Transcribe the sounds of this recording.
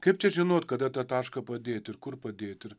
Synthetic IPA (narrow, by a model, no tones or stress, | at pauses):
kɐɪp̚t͡ʃʲɛʒʲɪnoːt̪kɐd̪ɐt̪ɑt̪ɑːʃkɐpɐd̪ʲeːt̪ɪɾkʊɾpɐd̪ʲeːt̪ɪɾ